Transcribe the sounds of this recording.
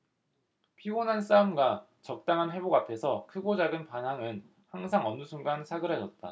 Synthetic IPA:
pʰionɦans͈aɯmɡa | t͡ɕʌk̚t͈aŋɦanɦe̞boɡapʰe̞sʰʌkʰɯɡod͡ʑaɡɯnpanaŋɯn | haŋsʰaŋʌnːusʰuŋɡansʰaɡɯɾɦad͡ʑʌt̚t͈a̰

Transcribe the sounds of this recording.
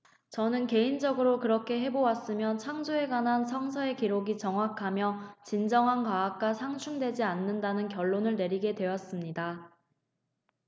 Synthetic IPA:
t͡ɕʌnɯnke̞ind͡ʑʌɡɯɾokɯɾʌkʰe̞ɦe̞bowas͈ɯmjʌt͡ɕʰaŋd͡ʑoe̞ɡwanɦansʰʌŋsʰʌe̞kiɾoɡit͡ɕʌŋwakʰamjʌt͡ɕind͡ʑʌŋɦankaːk̚k͈asʰaŋt͡ɕʰuŋdwe̞d͡ʑianːɯndanɯnkjʌɭːonɯɭne̞ɾiɡe̞dwe̞jʌs͈ɯmɲida

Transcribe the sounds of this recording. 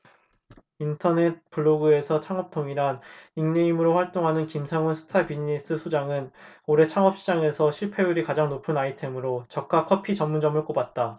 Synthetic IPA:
intʰʌne̞t̚p͈ɯɭːoɡɯe̞sʰʌt͡ɕʰaŋʌp̚tʰoŋiɾaŋiŋneimɯɾoɸwaɭt͈oŋɦanɯnkimsʰaŋunsʰɯ̥tʰabiɲis͈ɯsʰod͡ʑaŋɯnoɾe̞t͡ɕʰaŋʌp̚ɕ͈ʰid͡ʑaŋe̞sʰʌɕʰiɭpʰe̞uɾikad͡ʑaŋnopʰɯnaitʰe̞mɯɾot͡ɕʌk̚k͈akʰʌpʰit͡ɕʌmːund͡ʑʌmɯɭk͈obat̚t͈a

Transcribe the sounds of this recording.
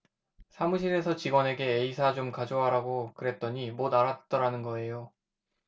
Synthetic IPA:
sʰamuɕʰine̞sʰʌt͡ɕiɡwʌne̞ɡe̞ːisʰat͡ɕomkad͡ʑoaɾaɡokɯɾe̞t̚t͈ʌɲimodaɾat̚t͈ʌɾanɯnɡʌe̞jo

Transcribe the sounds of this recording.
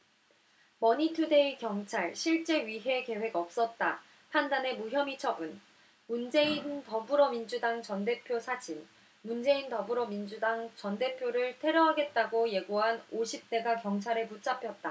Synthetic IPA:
mʌɲitʰude̞ikjʌŋt͡ɕʰaɭɕʰiɭt͡ɕ͈e̞ɥiɦe̞ke̞we̞ɡʌp̚s͈ʌt̚t͈a | pʰandane̞muɦjʌmit͡ɕʰʌbɯn | mund͡ʑe̞intʌbuɾʌmind͡ʑudaŋt͡ɕʌnde̞pʰjosʰad͡ʑin | mund͡ʑe̞intʌbuɾʌmind͡ʑudaŋt͡ɕʌnde̞pʰjoɾɯɭtʰe̞ɾjʌɦaɡe̞t̚t͈aɡoje̞ɡoɦanoɕʰip̚t͈e̞ɡakjʌŋt͡ɕʰaɾeput͡ɕ͈apʰjʌt̚t͈a

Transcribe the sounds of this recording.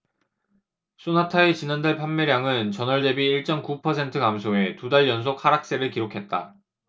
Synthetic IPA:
s͈ʰonatʰaet͡ɕinandaɭpʰamːeɾjaŋɯnt͡ɕʌnʌɭde̞biːɭt͡ɕ͈ʌmkupʰʌsʰe̞ntʰɯkamsʰoe̞tudaɭjʌns̬ʰok̚haɾak̚s͈eɾɯɭkiɾokʰe̞t̚t͈a

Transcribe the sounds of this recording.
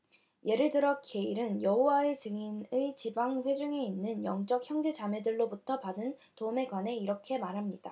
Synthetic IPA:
je̞ɾɯɭdɯɾʌt̚k͈ʰe̞iɾɯnjʌɦowaet͡ɕɯŋinɯɭt͡ɕibaŋɸwe̞d͡ʑuŋe̞inːɯnjʌ̰ŋt͡ɕ͈ʌk̚çjʌŋde̞d͡ʑame̞dɯɭːobutʰʌpadɯntoume̞ɡwane̞iɾʌkʰe̞maɾɦamɲid̥a

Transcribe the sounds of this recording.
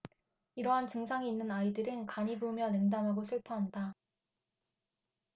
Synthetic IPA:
iɾʌɦant͡ɕɯŋsʰaŋiːnːɯnaidɯɾɯnkaɲibumjʌne̞ŋdamɦaɡosʰɯɭpʰʌɦanda

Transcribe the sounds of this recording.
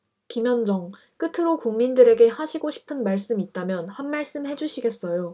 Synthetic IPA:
kimjʌnd͡ʑʌŋ | k͈ɯtʰɯɾokuŋmindɯɾe̞ɡe̞haɕʰiɡoɕʰi̥pʰɯnmaɭs͈ɯmit̚t͈amjʌnhanmaɭs͈ɯmhe̞d͡ʑuɕʰiɡe̞s͈ʌjo

